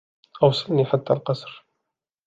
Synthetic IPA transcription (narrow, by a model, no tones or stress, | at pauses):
ʔɑwsˤɑlniħat̪ːælqɑsˤɾ